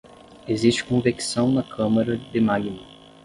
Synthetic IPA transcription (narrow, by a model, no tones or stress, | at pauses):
ezist͡ʃɪ̥kõviksɐ̃w̃nɐkʰɐ̃mɐɾɐd̪ɪmaɡinɐ